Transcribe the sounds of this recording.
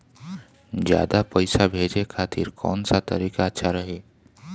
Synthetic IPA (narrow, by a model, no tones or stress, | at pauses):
d͡ʒja̰ːd̪apəɪsabʱeːd͡ʒekʰaːt̪ɪɾkɔ̰ːnsat̪əɾiːkaətːʃʰaɾəɦeː